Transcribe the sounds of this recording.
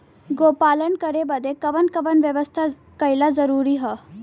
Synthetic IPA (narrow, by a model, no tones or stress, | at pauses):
ɡopalənkəɾebəd̪ʱekəʋənkəʋənʋjəʋəst̪ʰa | kəjlad͡zəɾuɾiɦə